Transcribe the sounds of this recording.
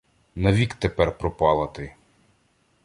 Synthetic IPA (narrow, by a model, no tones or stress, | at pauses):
nɐʋʲikt̪epɛrpɾɔpɑlˠɐt̪ɪ